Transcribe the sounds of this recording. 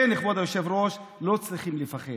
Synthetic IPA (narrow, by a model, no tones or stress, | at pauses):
eniχbod̪ajoʃevɾoʃlo̞t͡sʁiχimlefaχe